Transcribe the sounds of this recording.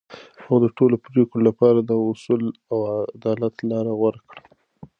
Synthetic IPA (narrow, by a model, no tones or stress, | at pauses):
awd̪əʈolopɾikolapɑɾad̪əʊsulawad̪ɑlat̪lɑɾawəɾkɽə